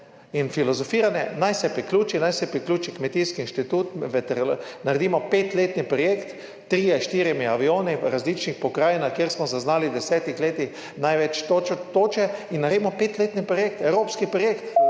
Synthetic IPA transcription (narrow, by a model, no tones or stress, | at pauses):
infilɔzɔfiːɾanɛnajsɛpɾiklʲuːt͡ʃinajsɛpɾiklʲuːt͡ʃikmɛt̪iskiːnʃt̪it̪uːt̪ʋɛt̪ɛɾnaɾɛd̪iːmɔpeːt̪leːt̪nipɾɔjeːkt̪ː | ɾiːaʃt̪iːɾjɛmiaʋioːniɾazliːt͡ʃnixpɔkɾaːjɛnakjeɾsmɔzaznaːlid̪ɛsɛːt̪ixleːt̪ix | najʋɛt͡ʃt̪oːt͡ʃɛinːaɾed̪imɔpet̪leːt̪nipɾɔjeːk̚t̪ɛwɾoːpskipɾɔjekt̪